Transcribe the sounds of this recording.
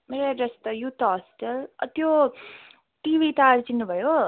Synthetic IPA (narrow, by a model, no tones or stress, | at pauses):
meɾaɾest̪ʌjut̪ʰɦɔsʈəlʌt̪jo | ʈibʱit̪aɾt͡sinːubʱʌjo